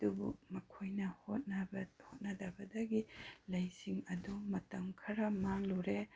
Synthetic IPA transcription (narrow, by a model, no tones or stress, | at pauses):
d̥ubṵmɐkʰojnɐhot̚nɐbhot̚nɐdɐbɐdɐɡilɐjsiŋɐdumɐtɐmkʰɐɾɐmaŋluɾe